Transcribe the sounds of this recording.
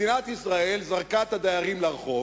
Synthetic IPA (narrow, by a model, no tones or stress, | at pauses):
inat̪isʁae̞lzaʁkat̪ad̪ajaʁimlaʁχo̞